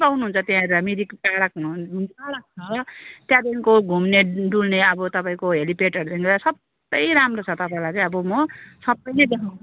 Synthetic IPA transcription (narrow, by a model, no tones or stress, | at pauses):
bawnuɦunt͡sʰʌt̪jɦãɦʌɾulamid̪ikkaɾakɦunukaɾak̚t͡sʰʌt̪jad̪inkoɡʱumneɖulneʌbʌt̪ʌpaĩkoɦelipeʈʌɾud̪ʌnkʌasʌb | ʌjɾamrot͡sʰʌt̪ʌpaĩlajt͡sãĩʌbʌmʌsʌbʌjned̪ekʰaw̃